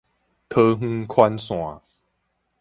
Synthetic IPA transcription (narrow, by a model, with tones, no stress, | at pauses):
t̪ʰɤː˧ɦɨ̃˧kʰwa˧nsw̃a˨˦